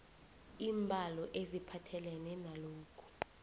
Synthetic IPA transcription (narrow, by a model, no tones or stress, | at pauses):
iːmbʱalɔʔezipʰatʰɛlɛnɛnaloːkʰu̥